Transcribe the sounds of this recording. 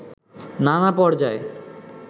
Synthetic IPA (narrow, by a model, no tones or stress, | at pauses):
nanapɔɽd͡ʑae